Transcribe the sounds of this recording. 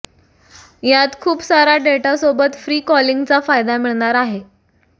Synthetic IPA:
jat̪kʰuːpsaɾaɖeʈasobət̪fɾiːkɔliŋɡt͡safajd̪amiɭɳ̃aɾaɦe

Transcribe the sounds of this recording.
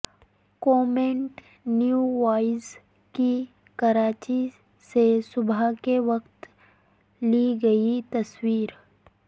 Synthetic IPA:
kɔːmẽɳʈ | njuʋaːɪz | ki | kɐɾaːt͡ʃi | sesʊbʱakeʋɐkt̪ | liɡɐit̪ɐswiːɾ

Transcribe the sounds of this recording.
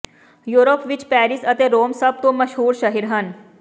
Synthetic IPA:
juɾopʋit͡ɕpæɾisət̪eɾoːmsəb̚t̪oməɕɦuːɾɕəɦiɾɦən

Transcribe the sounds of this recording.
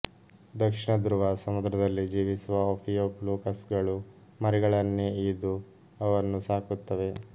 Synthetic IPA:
d̪ɐkʂiɳɐd̪ɾuʋasɐmud̪ɾɐd̪ɐlːid͡ʒiːʋisuʋɐoːpʰijoːpluːkɐsɡɐɭu | mɐɾɛɡɐɭɐnːeid̪u | ɐʋɐɾnːusaːkut̪ːɐʋe̞

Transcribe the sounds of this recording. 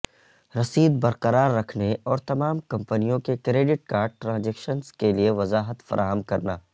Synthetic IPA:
ɾɐsiːd̪bɐɾqɐɾaːɾːɐkʰneɔːɾt̪ɐmaːmkɐ̃mpənijõkekɾeːɖɪʈ̚kaːɾɖ̚ʈɾãːd͡ʒeːkʃənskelieʋɐzaːɦət̪fɐ̰ɾʔaːɦəmkɐɾnaː

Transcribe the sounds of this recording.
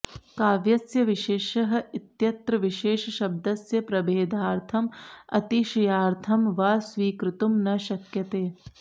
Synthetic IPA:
kaːʋjɐsjɐʋiʃeːʃɐɦɐ̆it̪jɐt̪ɾɐʋiʃeːʃɐʃɐb̚d̪ɐsjɐpɾɐbeːd̪ʱaːɾt̪ʰɐmɐ̰t̪iʃijaːɾt̪ʰɐmʋaːsʋiːkɾɪt̪umnɐʃɐkjɐt̪eː

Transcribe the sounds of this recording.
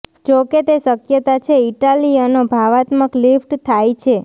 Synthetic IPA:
d͡ʒoket̪esəkjət̪at͡ʃʰeiʈalijanobʱaʋat̪məklifʈt̪ʰajt͡ʃʰe

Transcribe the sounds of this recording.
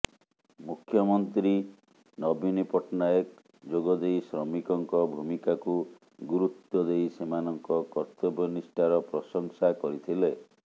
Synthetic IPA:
mukʰjɔmɔnt̪ɾi | nɔbinipɔʈnajek | d͡ʒoɡɔd̪ejsɾɔmikɔŋkɔbʱumikaku | ɡuɾut̪ːɔd̪ejsemanɔŋkɔkɔɾt̪ɔbɔnisʈaɾɔpɾɔsɔŋsakɔɾit̪ʰile

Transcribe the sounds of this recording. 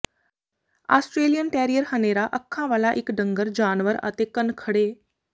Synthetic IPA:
a̰ːsʈɾeːlijənʈɛːɾijəɾhəneːɾaːʔəkʰːãːʋaːlaːʔɪkɖə̃ŋɡəɾd͡ʒaːnʋəɾə̰t̪eːkənkʰəɽeː

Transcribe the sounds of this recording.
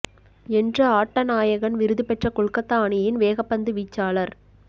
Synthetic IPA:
ɛndrɐaːʈːɐnaːjɐɣɐnʋɪɾɯðɯpɛʈrɐkɔɭkɐt̪ːaːɳɪjɪnʋeːɣɐpːɐnd̪ɯʋiːt͡ʃːaːɭɐɾ

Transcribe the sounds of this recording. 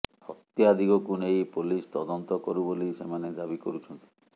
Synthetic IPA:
hɔ̰t̪jad̪ʱiɡɔkunejpulist̪ɔd̪ɔnt̪ɔkɔɾubolisemaned̪abikɔɾut͡ʃʰɔnt̪i̥

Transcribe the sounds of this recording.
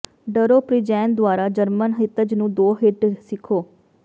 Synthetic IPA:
ɖəɾoːpɾid͡ʒɛːnd̪ʊwaːɾaːd͡ʒəɾmənɦɪt̪əd͡ʒnũːd̪oːɦɪʈsɪkʰoː

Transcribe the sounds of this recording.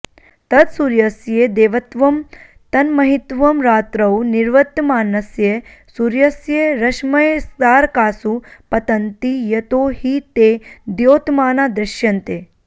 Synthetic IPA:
t̪ɐt̪suɾjɐsjed̪eːʋɐt̪ʋɐm | t̪ɐnmɐɦit̪ʋɐmɾaːt̪ɾɐwniɾʋɐt̪ːmaːnɐsje | suɾjɐsjeɾɐʃmɐjsd̪aːɾkaːsupɐt̪ɐnt̪ijɐt̪oːhiːt̪ed̪joːt̪maːnaːd̪ɾɐʃjɐnt̪eː

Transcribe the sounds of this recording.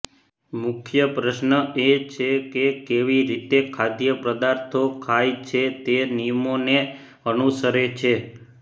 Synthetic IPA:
mʊkʰjəpɾəʃnəʔet͡ʃʰekekeʋiɾit̪ekʰad̪jəpɾəd̪aɾt̪ʰokʰajt͡ʃʰet̪enijəmone | ənusəɾet͡ʃʰe

